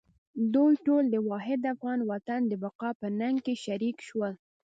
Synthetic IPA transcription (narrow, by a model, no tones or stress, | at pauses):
d̪ujʈold̪əwɑɦɪd̪afɣɑnwat̪and̪əbaqɑpənaŋɡkeʃaɾikʃwəl